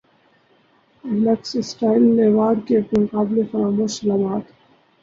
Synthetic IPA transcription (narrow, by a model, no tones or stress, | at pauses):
lɐksɪsʈaːɪlːeːʋaːɾkekmʊkaːblefɐɾaːmoslaːmaːt̪